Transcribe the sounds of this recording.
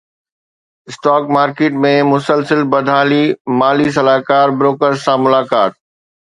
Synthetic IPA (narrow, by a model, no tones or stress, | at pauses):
ɪsʈaːkmaːɾkeːʈmẽmʊsəlsəlbɐd̪ʱaːlimaːlis̬ɐlaːkaːɾbɾoːkəɾzsãmʊlaːkaːt̪̚